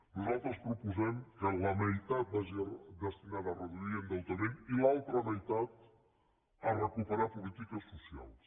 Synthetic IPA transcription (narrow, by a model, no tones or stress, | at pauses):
nuzalˠt̪ɾəspɾupuzɛmkələməjt̪at̪̚baʒid̪əst̪inaðərəðuiənd̪əlˠt̪əɾenilalˠt̪ɾəməjt̪at̪ | ərəkupəɾapulit̪ikəsːusia̰lˠs